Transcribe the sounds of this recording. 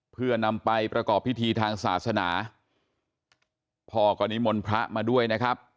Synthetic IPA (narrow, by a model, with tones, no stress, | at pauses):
pʰɯ˥˩ɐna˧mpa˧jpɾa˧kɔː˨˩pʰːi˦˥t̪ʰiː˧t̪ʰaː˧ŋsaː˩˦t̪̚sa˧naː˩˦ | pʰɔː˧kʰɔː˧ni˦˥mo˧npʰɾa˦˥ʔmaː˧du˥˩əjna˦˥kʰɾa˦˥p̚